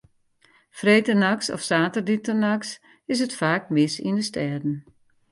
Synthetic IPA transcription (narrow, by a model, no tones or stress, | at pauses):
freːtənaksɔ̰fsaːtərditənaks | ɪs̬ətfaːk̚mɪsḭndəstʰɛdn̩